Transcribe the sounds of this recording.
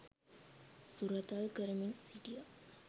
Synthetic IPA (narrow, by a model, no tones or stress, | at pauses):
suɾat̪alɡəɾminsiʈija